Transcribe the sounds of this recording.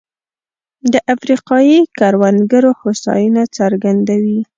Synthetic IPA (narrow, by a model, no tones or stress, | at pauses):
d̪əʔafɾiqɑjikɑɾwanɡaɾohosɑ̰junat͡saɾɡand̪awi